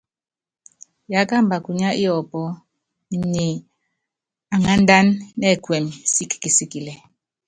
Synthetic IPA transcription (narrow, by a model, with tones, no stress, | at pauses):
ja˨˦ka˦m̩˨ba˨ku˨ɲa˦ʔi˦ɔ˨pɔ˦ | mi˨ɲe˨ | a˨ŋa˦n˦da˦nːɛ˦˨kwɛ˨msi˦kːi˨si˦ki˨lɛ˨